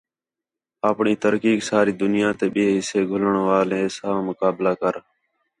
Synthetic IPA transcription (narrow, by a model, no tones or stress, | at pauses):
aːpɳiːt̪əɾkiːksaːɾiːd̪ʊnɪjãːt̪eːɓɪeːɦɪseːɡʱʊləɳʋaːlẽːsaːmʊkaːblaːkəɾ